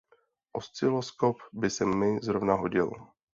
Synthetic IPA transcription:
ʔost͡sɪloskopbɪsɛmːɪzɾovnaɦoɟɪl

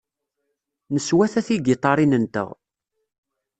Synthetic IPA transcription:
nəswæθæθiɡɪt̪ˤɑɾˤinənt̪ə̰ʁ

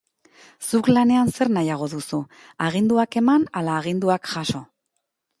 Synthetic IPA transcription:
suklane̞anse̞ɾnajaɣ̞o̞ðusu | aɣ̞ind̪uake̞manalaːɣ̞ind̪uakʝaso̞

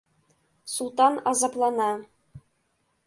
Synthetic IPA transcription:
sulˠt̪ɑnɑzɑplˠɑnɑ

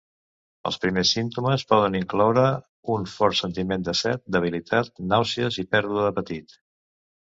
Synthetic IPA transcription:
ə̰lˠspɾimesːint̪uməspɔðəniŋklɔwɾə | unfɔɾsənt̪imend̪əsɛt̪̚d̪əβ̞ilit̪ʰat̪̚nawsiəzipɛɾðuəðəpət̪it̪

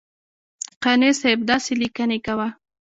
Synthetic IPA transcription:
qanesajb̚d̪ɑselikanekawa

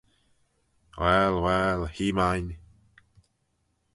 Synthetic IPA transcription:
wɛlwɛlhiːmajn

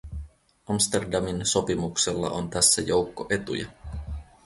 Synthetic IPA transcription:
ʔɑmst̪e̞rdɑminso̞pimukselːɑ̰ʔo̞nt̪æsːæjo̞wkːoʔe̞t̪ujɑ̰

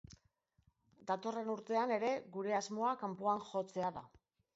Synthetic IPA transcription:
d̪at̪o̞re̞nuɾt̪e̞ane̞ɾe̞ɣuɾe̞azmo̞akampoanxo̞t͡se̞aða̰

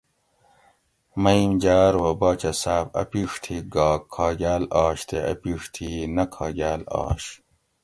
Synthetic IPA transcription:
mɐjmd͡ʑaːɾwobaːt͡ɕɐsaːfɐ̰piʂt̪ʰiɡaːkʰːɑːɡaːlaːɕt̪ʰeʔɐ̰piːʂt̪ʰinɐkʰɑːɡaːlɑ̰ːɕ

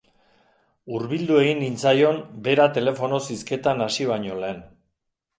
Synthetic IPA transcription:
uɾβild̪ue̞ɣinint͡sajo̞mbe̞ɾat̪e̞le̞fo̞no̞siske̞t̪anasiβaɲo̞le̞ːn

